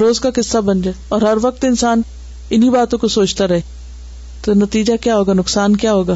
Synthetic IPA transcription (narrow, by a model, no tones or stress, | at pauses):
ɾoːzkakɪsːabɐ̃nd͡ʒaːɔːɾɦɐɾʋɐk̚t̪ɪnsaːn | ɪnibaːt̪õkosoːt͡ʃt̪aɾɐɦeː | t̪onɐt̪iːd͡ʒakjaːɦoːɡaːnʊksaːnkjaːɦoːɡaː